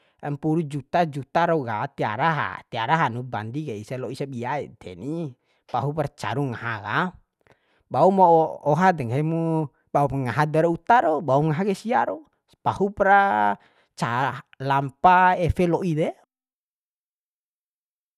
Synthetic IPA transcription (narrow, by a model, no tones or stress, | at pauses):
ɛmpuɾud͡ʒut̪ad͡ʒut̪aɾɔɡa̰t̪ia̰ɾaɦa̰t̪iaɾaɦanuba̰ndikɛisalɔisabiaḭt̪ʰɛ̰ni | paɦupɾat͡ʃa̰ɾuŋaɦaɡa | baumɔɔɦadɛŋɦɛmu | baupŋaɦadɛɾɔut̪aɾɔbauŋaɦaɡɛsia̰ɾɔ | pahupɾa | t͡ʃalampaɛfɛlɔʔidɛ